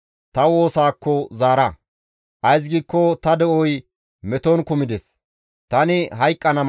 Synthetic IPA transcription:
t̪ɐwo̞ːsaːkːɔzaːɾɐ | ʔɐjs̬ɡiːkːɔt̪ɐd̪ɛʔɔj | mɛt̪ɔnkʊmɪd̪ɛs | t̪ɐnɪɦɐjkʼːɐnɐ

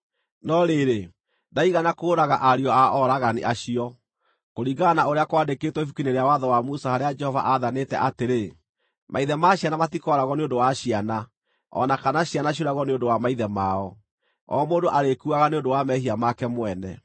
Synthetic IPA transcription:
nɔɾeɾe | daiɣanakoːɾaɣaʔaɾiɔaʔɔɾaɣaniʔaɕiɔ | koɾiɡanaoɾeakwadekeːtwɔifukineɾeawaðɔwamusahaɾead͡ʒɛhɔva̰ʔaðanetɛ̰ʔateɾe | mʔaiðɛmaɕianamatikɔɾaɣɔneondowaɕiana | ɔ̰nakanaɕianaɕ̬oɾaɣɔneondowamaiðɛmaɔ | ɔ̰moːdoʔaɾekuaɣaneondowamɛɦiamakɛmwɛnɛ̰

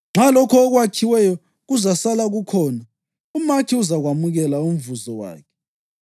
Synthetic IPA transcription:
ŋ͡ǁʱalɔkʰɔːɣwat͡ʃʰiwɛjɔ | ɣuzasalaɣukʰɔːna | umakʰiuzaɣwamuɣɛlaum̩vuzɔwa̰ːkʰɛ

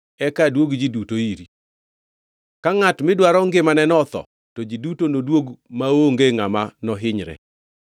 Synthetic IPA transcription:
ɛkadwoɡd͡ʒidutoiɾi | kaŋatmɪdwaɾɔŋɡɪmanɛnɔt̪ɔ̰ | tɔd͡ʒidutonodwoɡmaoŋɡeŋamanɔɦɪɲɾɛ̰

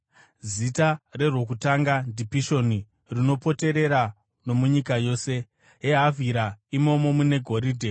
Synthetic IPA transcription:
zitare̞rwo̞k̬utaŋɡandipiʃo̞ni | rino̞po̞te̞ɾe̞ɾa | no̞muɲikajo̞ːse̞ | ɦeɦavʱiɾaimo̞mo̞mune̞ɡʱo̞ɾiːdʱe

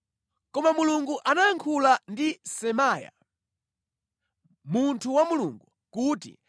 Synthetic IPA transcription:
kɔmamuluŋɡuʔanaːŋkʰulandisɛmaːja̰ | muntʰuwamuluŋɡu | kuːtḭ

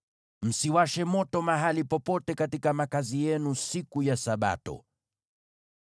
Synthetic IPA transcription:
m̩siwaʃɛmɔtɔmaɦalipɔpɔtɛkatikamakazijɛnusikujasaɓa̰tɔ̰

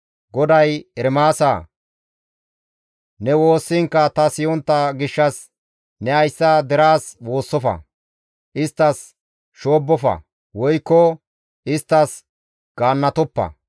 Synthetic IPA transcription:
ɡɔd̪ɐjɛɾmaːsa̰ː | nɛwoːsːɪŋkːɐt̪ɐsɪjɔnt̪ːɐɡɪʃːɐs | nɛɐjsːɐd̪ɛɾaːswo̞ːsːɔfɐ̰ | ʔɪst̪ːɐs | ʃo̞ːbːɔfɐ̰ | wɔjkːɔ | ɪst̪ːɐs | ɡ̥aːnːɐt̪ɔpːɐ̰

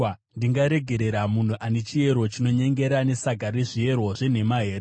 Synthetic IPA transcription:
ndiŋɡaɾe̞ɡʱe̞ɾe̞ɾamun̤uʔanet͡ʃieɾot͡ʃino̞ɲe̞ŋɡe̞ɾane̞saɡʱaɾiʐie̞rwoʐe̞ne̞maɦe̞ːɾ

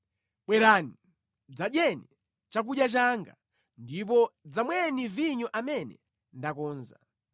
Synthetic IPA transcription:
ɓwɛɾaːni | d͡zaɗjɛni | t͡ʃak̬uɗjat͡ʃaŋɡa̰ | ndip̬ɔd͡zamwɛniviɲɔʔamɛnɛ | ndakɔːnza̰

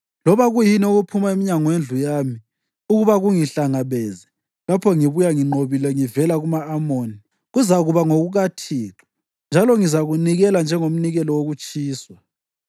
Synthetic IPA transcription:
lɔβaɣujinoɣupʰumaemiɲaŋɔwend͡ɮʱujaːmi | uɣuβaɣuŋiɬaŋaβɛzɛ | lapʰɔŋiβujaŋiŋ͡ǃoβilɛŋivɛlaɣumaːmoːni | ɣuzaɣuβaŋoɣuɣatʰiːlʰḁ | nd͡ʒʱalɔŋizaɣuniɣɛland͡ʒʱɛŋom̩niɣɛlɔwoɣut͡ʃʼiːswa

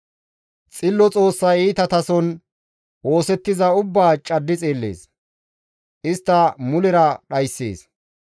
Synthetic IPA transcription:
t͡sʼɪlːɔt͡sʼo̞ːsːɐjiːt̪ɐt̪ɐsɔn | wo̞ːsɛt̪ːɪzɐʊbːaːt͡ʃʼɐd̪ːɪt͡sʼeːlːḛːs | ʔɪst̪ːɐmʊlɪɾɐɗɐjsːḛːs

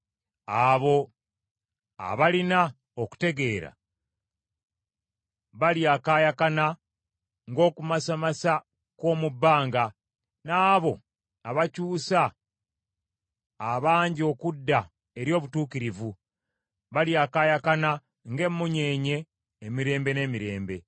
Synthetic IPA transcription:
aβo̞ | a̰βalina | oku̥te̞ɡe̞ːɾa̰ | βaljakajakana | ŋɡo̞ːkumasamasa | ko̞ːmubːaːŋɡa | naːβo̞̰ | aβacuːsa | βaːɲɟio̞kudːa | e̞ɾjo̞ːβutuːkiɾivu | βaljakaːjakana | ŋɡe̞mːuɲe̞ːɲe̞ː | miɾe̞ːmbe̞ne̞ːmiɾe̞ːmbe̞

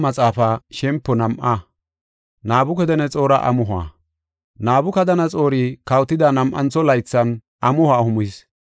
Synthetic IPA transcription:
mɐt͡sʼaːfaʃɛmpːɔnɐmʔɐ | naːbʊkɛd̪ɛnɛt͡sʼo̞ːɾɐʔɐ̰mʊɦʊa̰ː | naːbʊkɐd̪ɐnɐt͡sʼo̞ːɾiːkɐwt̪ːɪd̪ɐnɐmʔɐ̰nt͡sːɔlɐjt͡sːɐn | ʔɐmʊhwaːhʊmis

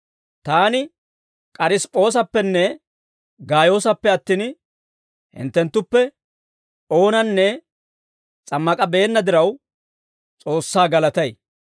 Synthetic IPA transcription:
t̪aːnɪ | kʼɐɾɪspʼo̞ːs̬ɐpːɛnːɛ | ɡaːjo̞ːsɐpːɛɐt̪ːiːn | hɪ̰nt̪ːɛnt̪ːʊpːɛ | o̞ːnɐnːɛ | t͡sʼɐmːɐkʼɐbe̞ːnːɐd̪ɪɾɐw | t͡sʼo̞ːsːaːɡɐlɐt̪ɐj

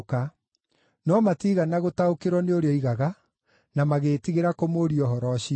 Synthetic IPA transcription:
ka | nɔmatiːɣanaɣotaokeɾwɔneoɾeɔiɣaɣa | namaɣeːtiɣeɾakomoɾiɔɦɔɾɔɕi

